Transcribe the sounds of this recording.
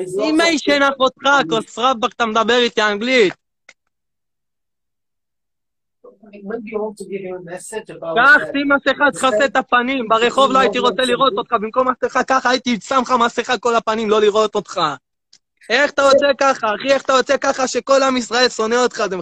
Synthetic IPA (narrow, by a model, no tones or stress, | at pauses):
imaiʃenaχot̪χakosʁavbakt̪amed̪abe̞ʁit̪iaŋɡlit̪̚ | juɔtuɡɪvmɛsɪd͡ʒbkaχsimaseχat̪χaset̪apanimbaʁeχo̞vloait̪iʁo̞t͡seliʁo̞t̪o̞t̪χabimko̞maseχakaχaːit̪iisamχamaseχako̞lapanimlo̞liʁo̞t̪o̞t̪χa | eχat̪aʁot͡se̞kaχaːχieχat̪aʁo̞t͡sekaχaʃe̞ko̞lamisʁaelsoneot̪χaze